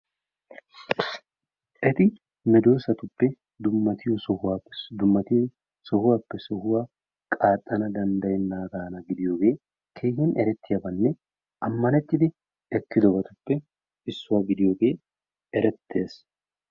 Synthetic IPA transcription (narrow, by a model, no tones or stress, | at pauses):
ʔɛt̪ɪ | mɛd̪oːsɐt̪ʊpːɛ | d̪ʊmːɐt̪ɪjɔsɔhʊad̪ʊmːɐt̪ | sɔhʊwaːpːɛsɔhʊwa | kʼaːt̪ʼːɐnɐd̪ɐnd̪ɐjɛnːaːɡaːnɐɡɪd̪ɪjoːɡe̞ː | kʰeːhɪnʔɛɾɛt̪ːɪjɐbɐnːɛ | ʔɐmːɐnɛt̪ːɪd̪ɪ | ɛkːɪd̪ɔbɐt̪ʊpːɛ | ɪsːʊwaːɡɪd̪ɪjoːɡe̞ː | ɛɾɛt̪ʰːe̞ːs